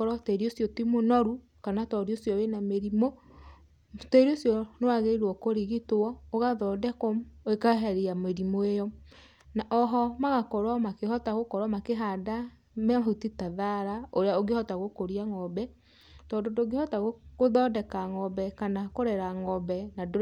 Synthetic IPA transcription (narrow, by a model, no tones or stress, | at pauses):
ɔɾɔtɛɾiosjɔtimonɔɾu | kanatɔɾiosjɔwenameɾimo | tɔeɾiosjɔnewaɣeiɾwɔkoɾiɣitoɔoɣaðɔdɛkɔmoekaɦɛɾeameɾimoejɔ | naʔɔɦɔmaɣakɔɾwamakeɦɔtaɣokɔɾwamakeɦada | mɛahutitaðaɾaoɾeaoɡehɔtaɣokoɾiaŋɔbɛ | tɔndodoːɡehɔtaɣokoðɔdɛkaŋɔbɛkanakoɾɛɾaŋɔbɛnado